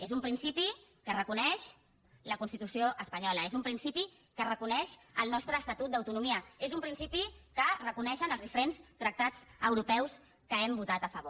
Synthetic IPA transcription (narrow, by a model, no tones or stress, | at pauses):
ezumpɾinsipikərəkunɛʃ | ləkunst̪it̪usioʔəspəɲɔləezumpɾinsipi | kərəkunɛʃəlˠnɔst̪ɾəːst̪at̪ut̪̚d̪əwt̪unumiəezumpɾinsipikərəkunɛʃənəlˠzðifəɾenst̪ɾək̚t̪ad͡zəwɾupɛws | kəɛmbut̪at̪əfəβo